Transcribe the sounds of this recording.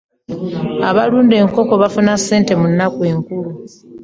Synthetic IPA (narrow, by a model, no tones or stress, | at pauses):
aβaluːnde̞ːŋko̞ko̞βafunase̞ːnte̞munːakwe̞ːŋkulu